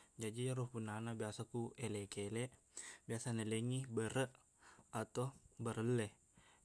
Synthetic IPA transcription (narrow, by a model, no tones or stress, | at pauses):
d͡ʒad͡ʒiaɾupunanabiasakuelɛkelɛʔ | biasanəleŋibəɾəʔ | at̪obəɾəlɛh